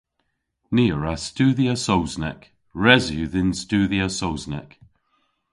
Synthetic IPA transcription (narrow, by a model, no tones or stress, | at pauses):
niːəɹastuːðiəsowznɛk | ɹɛzjuðɪnstuːðiəsowznɛ̰k